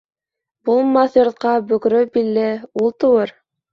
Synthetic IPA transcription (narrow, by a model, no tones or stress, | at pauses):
bulˠmɑθjŏɾt̪̚qɑbɵ̆kɾɵbilːɘulˠt̪ɤ̆wɤɾ